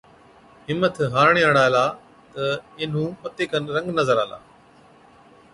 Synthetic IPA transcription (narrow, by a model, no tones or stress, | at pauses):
ɦɪmːət̪ʰɦaːɾɳeəɽ̃aːɪlaː | t̪ɐɪn̤ũːpɐt̪eːkənɾɐ̃ŋɡnəzəɾaːla̰ː